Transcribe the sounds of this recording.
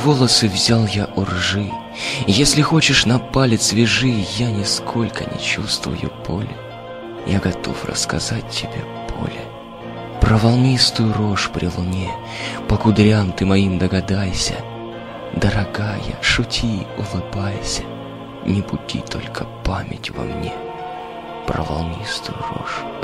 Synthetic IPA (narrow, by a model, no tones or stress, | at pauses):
vo̞lˠəsɨvzʲalˠjaʔʊrʐɨ | jesʲlʲɪxo̞t͡ɕɪʂnɐpalʲɪt̪svʲɪʐɨjanʲɪskʰo̞lʲkə̰nʲɪ̰t͡ɕust̪vʊ̰jʊ̰pʰo̰lʲɪ | jaɡɐt̪ʰo̞̰frə̰skɐ̰zat̚ʲtʲːɪbʲe | pʰo̞̰lʲɪ | pɾəvɐlˠmʲist̪ʊjʊɾoʂpɾʲɪlˠʊnʲe | pəkʊd̪ɾʲamt̪ɨmɐimd̪əɡɐd̪ajsʲə̰ | d̪əɾɐɡajə̰ʂʊtʲʰiʊlˠɨbajsʲə̥ | nʲɪbʊdʲḭt̪ʰo̞̰lʲkʰəpamʲɪ̰tʲvɐ̰mnʲḛ | prə̰vɐ̰lˠnʲist̪ʊjʊro̰ʂ